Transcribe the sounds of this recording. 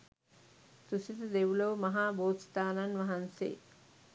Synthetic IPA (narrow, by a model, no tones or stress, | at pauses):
t̪usit̪əd̪eʋulɐʋəmɐɦaːboːt̪st̪aːnanʋɐɦansḛː